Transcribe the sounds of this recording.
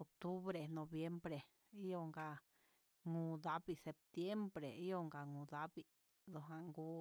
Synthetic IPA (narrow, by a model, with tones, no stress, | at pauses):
o˨k̚t̪u˦βɾe˨nõ˨bje˦mbɾe˨ | i˦jo˦˧ŋɡa˧ | ŋũ˧d̪a˦bi˦˨se˨p̚t̪je˦mbɾḛ˨i˦jo˦ŋɡa˨ŋũ˨d̪a˦bi˧ | d̪o˧˨ɦa˧ŋɡu˦